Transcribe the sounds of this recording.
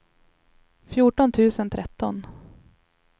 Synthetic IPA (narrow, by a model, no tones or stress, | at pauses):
fjuːʈɔnt̪ʰʉ̟ːsənt̪ʰɾɛt̪ːɔn